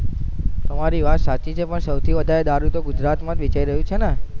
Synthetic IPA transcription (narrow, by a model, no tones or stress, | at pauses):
t̪əmaɾiʋat̪sat͡ʃit͡ʃʰepəɳsəwt̪ʰiʋəd̪ʱaɾed̪aɾut̪oɡʊd͡ʒɾat̪mãt̪ʋit͡ʃaiɾəɦjũt͡ʃʰene